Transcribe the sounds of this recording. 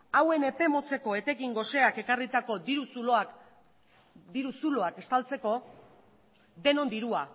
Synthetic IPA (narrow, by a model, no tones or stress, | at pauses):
awe̞ne̞pe̞mo̞t͡se̞ko̞e̞t̪e̞kiŋɡo̞se̞ake̞karit̪ako̞d̪iɾusuloa | d̪iɾusulo̞ake̞st̪alt͡se̞ko̞ | ðe̞no̞nd̪iɾua